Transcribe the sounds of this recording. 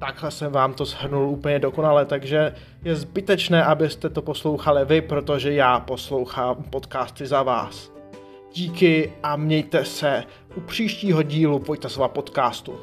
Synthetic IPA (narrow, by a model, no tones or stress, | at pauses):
t̪aɡɦlɛsɛmvaːmt̪o̞zɦr̩nulʔuːpəɲɛdo̞ko̞nalɛt̪aɡʒɛ | jɛzbɪt̪ɛt͡ʃnɛːʔabɪst̪ɛt̪o̞po̞slo̞wxalɪvɪpɾo̞t̪o̞ʒɛjaːpo̞slo̞wxaːmpo̞t̪kaːst̪ɪzava̰ːs | ɟ̥iːkɪʔamɲɛjt̪ɛsɛ | ʔupr̝̥iːʃciːɦo̞ɟiːlupojt̪ɛsoapo̞t̪kaːst̪ṵ